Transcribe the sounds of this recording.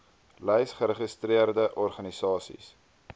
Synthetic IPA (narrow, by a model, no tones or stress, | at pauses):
lɛjsχəɾəχəstɾiərdəʔɔrχɐnisɑːsḭs